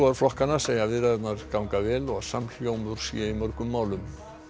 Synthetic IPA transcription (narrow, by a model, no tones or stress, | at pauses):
ɔaɾ̥flɔhkanaseːjavɪðɾaɛt̪naɾ̥kawŋkavɛːlɔɣsamɬjoːwmʏɾ̥siaimœɾkʏmːaːwlʏm